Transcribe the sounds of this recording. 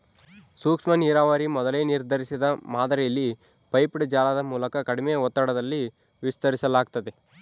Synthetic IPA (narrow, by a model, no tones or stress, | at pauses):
suːkʂmɐniːɾaːʋaːɾimɔd̪ɐleːniɾd̪ʱɐɾisid̪ɐmaːd̪ɐɾejɐlːi | pɐjpɽd͡ʒaːlaːd̪ɐmuːlɐkɐkɐɽimejɐɔt̪ːaɽɐd̪ɐlːi | ʋist̪ɐɾisɐlaːɡt̪ɐd̪e